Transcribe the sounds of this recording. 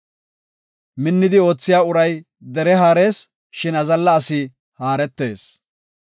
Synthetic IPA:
mɪnːɪd̪ɪo̞ːt͡sːɪjaːʊɾɐj | d̪ɛɾɛɦaːɾe̞ːs | ʃɪnɐzɐlːɐːsɪ | haːɾɛt̪ːe̞ːs

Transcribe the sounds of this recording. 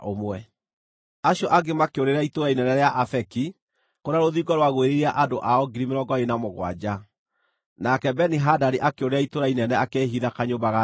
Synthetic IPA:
omwɛ | aɕjɔʔaɡemakeoɾeɾaitoɾainɛnɛɾeaʔafɛki | koɾaɾoðiːɡɔɾwaɣoeɾeɾiaʔadoʔaɔɡiɾimeɾɔɡɔenamoɣwa̰d͡ʑa | nakɛbɛniɦadaɾiʔakeoɾeɾaitoɾainɛnɛakeːɦiðakaɲobaɣa

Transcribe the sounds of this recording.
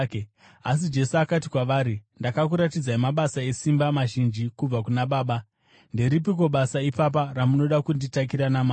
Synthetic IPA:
as̬id͡ʒe̞suakatikwaʋaːɾindakakuɾatid͡zaimaɓasae̞simbamaʒind͡ʒikub͡vakunaɓaːɓa | nde̞ɾip̬ik̬woɓasaipap̬aramuno̞ɗakunditak̬iɾanamaː

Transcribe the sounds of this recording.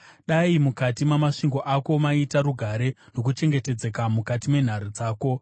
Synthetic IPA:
ɗaimukatimamaʂiŋɡo̞ʔako̞maitaɾuɡʱaɾe̞no̞k̬ut͡ʃe̞ŋɡe̞te̞d͡ze̞kamukatime̞n̤aɾud͡zaːko̞

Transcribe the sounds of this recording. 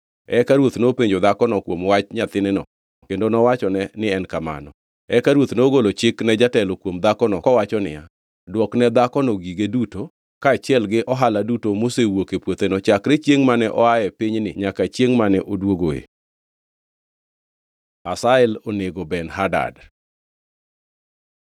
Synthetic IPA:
ɛkaɾwot̪nopeɲd͡ʒod̪akɔnɔkwomwat͡ʃɲat̪ɪnɛnɔ̰ | kendonɔwat͡ʃɔnɛnɪɛnkama̰nɔ̰ | ɛkaɾwot̪noɡolot͡ʃɪknɛd͡ʒatɛlɔkwomd̪akɔnɔkɔwat͡ʃɔnɪ̰ja | dwɔknɛd̪akɔnɔɡiɡeduto | kaːt͡ʃjɛlɡɪʔɔɦaladutomosewokepwot̪enɔt͡ʃakɾet͡ʃjeŋmanɛʔɔajɛpiɲnɪ̰ɲakat͡ʃjeŋmanɛʔodwoɡoḛ | asaɛloneɡobɛnɦada̰d

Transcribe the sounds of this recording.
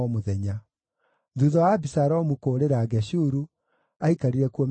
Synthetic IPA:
ɔmoðɛɲa | ðuðɔwabisaɾɔmukoːɾeɾaːɡɛɕuɾu | aikaɾiɾɛkuɔm

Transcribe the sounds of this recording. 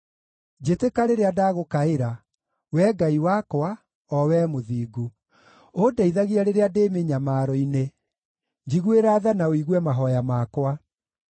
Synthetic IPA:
d͡ʑetekaɾeɾeadaːɣokaeɾa | wɛɡaiwakwa | ɔwɛːmoðiːɡu | odaiðaɣiaɾeɾeademeɲamaːɾɔine | d͡ʒiɣueɾaːðanaoiɣwɛmaɦɔjamakwa

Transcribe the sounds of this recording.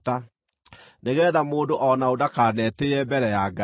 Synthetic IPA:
ta | neɣɛːðamoːndoʔɔnaodakaːnɛteɛbɛɾɛjaɡa

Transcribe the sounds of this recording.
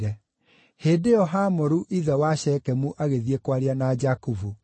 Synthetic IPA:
ɾɛ | heːdeɔɦamoɾuʔiðɛwaɕɛːkɛmuʔaɣeðiekwaɾianad͡ʒakuvu

